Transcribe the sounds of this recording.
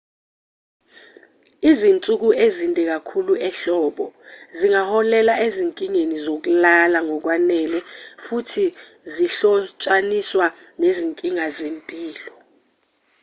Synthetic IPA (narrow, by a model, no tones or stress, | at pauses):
izint͡sʼuk̬uʔezintʼɛk̬akʰuluʔɛɬɔːɓɔziŋahɔlɛlaeziŋkʼiŋenizok̬ulalaŋɔk̬wanɛlɛfutʰi | ziɬɔt͡ʃʼaniswa | neziŋkʼiŋazempʼiːlɔ